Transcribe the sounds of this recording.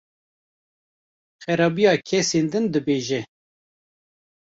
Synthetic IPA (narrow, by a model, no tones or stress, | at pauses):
xɛɾɑːbijɑːkʰɛseːnd̪ɨnd̪ɨbeːʒɛ